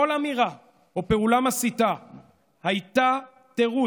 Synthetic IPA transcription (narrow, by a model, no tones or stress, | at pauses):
olamiʁa | ope̞ulamasita | hajt̪a | t̪e̞ʁu